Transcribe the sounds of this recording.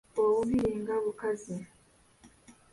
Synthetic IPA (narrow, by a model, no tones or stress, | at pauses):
oβuβiɾiːŋɡaβukazi